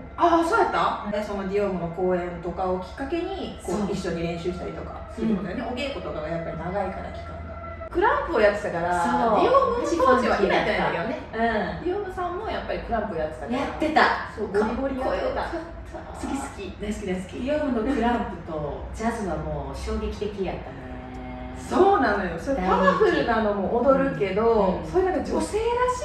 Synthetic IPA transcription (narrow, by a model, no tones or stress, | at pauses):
asoːd̪at̪ːaeso̞no̞dʲioːmɯ̟no̞ko̞ːẽ̞nt̪o̞kao̞kʲi̥kːake̞ɲ̟ikoːoiɕːo̞ɲ̟iɾẽ̞ɰ̃ɕɨːɕi̥t̪a̰ɾit̪o̞ka̰sɨɾɯɯnnd̪ajoneoɡe̞ːko̞t̪oɡaɡajapːaɾʲinaɡaika̰ɾa̰kʲi̥kaa | kɯ̟ɾãmpɯ̟ojat̪ːet̪akaɾasoːioːɡdɯɕiɦoːt͡ɕiβakiɾat̪ːaejoneɯ̟̃d̪ʲijo̞ːmɯ̟sãmːo̞japːaɾʲikɯ̟ɾãmpɯ̟ojat̪ːe̥t̪aaɾaat̪ːe̞t̪asoːkaboɾʲiot̪a | sɨɡʲisɨ̥kʲid̪aisɨ̥kʲid̪aisɨ̥kʲiiomɯ̟nokɯ̟ɾãmpɯ̟t̪o̞d͡ʑazɨβamo̞ːɕo̞ːɡe̞kʲi̥t̪e̞kʲijat̪ːan | soːnãnd̪ojosoɾekamaɸɯ̟ɾɯ̟ɡamomoːʔːd̪o̞ɾɯ̟ke̞d̪o̞soːjenakad͡ʑose̞ːɾaɕi